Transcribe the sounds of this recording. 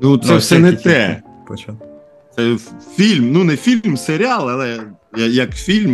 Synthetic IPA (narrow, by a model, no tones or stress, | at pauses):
nut̪sɛwsɛnɛt̪ɛ | pɔt͡ʃa | t̪sɛfʲilʲmnunɛfʲilʲmseɾʲɪɑlˠɐlˠɛ | jɐjɐkfʲilʲm